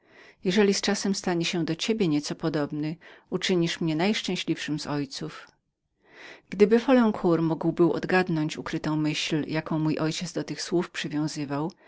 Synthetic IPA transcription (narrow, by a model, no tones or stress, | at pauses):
jɛʐɛlʲist͡ʂasɛmst̪aɲɛɕɛd̪ɔt͡ɕebʲjɛɲɛt̪sɔpɔd̪ɔbnɘut͡ʂɘɲiʂmɲɛnajʂt͡ʂɛ̃w̃ɕlʲifʂɘmzɔjt̪suf | ɡ̥d̪ɘbɘfɔlɛ̃ŋkʰuɾmuɡwbɘwɔ̰d̪ɡad̪nɔɲt͡ɕukɾɘt̪ɔ̃w̃mɘɕljakɔ̃w̃mujʔɔjt͡ɕɛd̪d̪ɔt̪ɘxswufpʂɘvʲjɔ̃w̃zɘvaw